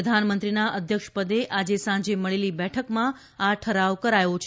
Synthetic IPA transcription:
əd̪ʱanmənt̪ɾinaʔəd̪ʱjəkʃpəd̪eʔad͡ʒesãɲd͡ʒeməɭelibɛʈʰəkmã | aʈʰəɾaʋkəɾajõt͡ʃʰ

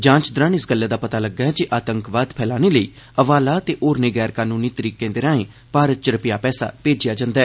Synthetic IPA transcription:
d͡ʒãːt͡ʃd̪ɾəːnɪsɡəlːɛːd̪aːpət̪aːləɡːaːɛːt͡ʃiʔaːt̪əŋkʋaːd̪pʰɛːlaːneːləiː | əʋaːlaːət̪eːʔoːɾneːɡɛːɾkaːnũːniːt̪əɾiːkẽːd̪ɪɾaːẽː | paːɾət̪̚t͡ʃəɾpɪjaːpɛːsa̰ːpeːd͡ʒɪjaːd͡ʒãːnd̪aɛː

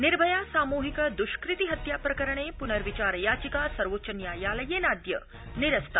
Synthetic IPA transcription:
niɾbʱɐjaːsaːmuːɦikɐd̪uʃkɾɪt̪iɦɐt̪jaːpɾɐkɐɾɐɳ̃eːpunɐɾʋit͡ʃaːɾjaːt͡ʃikaːsɐɾʋotːʃɐnjaːjaːlɐjeːnaːd̪jɐ | niɾɐst̪ʰa

